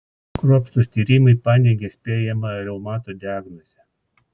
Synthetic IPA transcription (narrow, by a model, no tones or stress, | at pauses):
kɾuɔpʃt̪usʲt̪ʲiːɾʲiːmɐɪpɑːnʲeːɡʲeːsʲpʲeːjɛmɐɾʲɛʊmɑːt̪oːd̪ʲɪɑːɡnɔzʲɛ